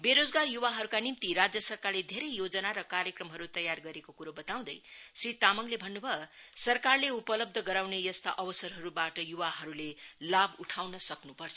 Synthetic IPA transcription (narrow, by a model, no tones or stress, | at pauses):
beɾod͡zɡarjuwaɦʌɾukanimt̪iɾad͡zjʌsʌrkarled̪ʱeɾʌjjod͡zʌnaɾʌkaɾjʌkrʌmɦʌɾut̪ʌjarɡʌɾekokuɾobʌt̪aw̃d̪ʌjsrit̪amʌŋlebʱʌnːubʱʌsʌrkarleupʌlʌb̚d̪ʱʌɡʌɾawnejʌst̪a̰ʔʌbʌsʌrɦʌɾubaʈʌjuwaɦʌɾulelabuʈʰawnʌsʌknupʌrt͡sʰʌ